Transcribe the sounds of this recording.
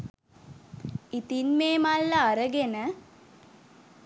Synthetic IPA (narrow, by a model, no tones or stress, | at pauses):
it̪inmeːmalːəaɾəɡenə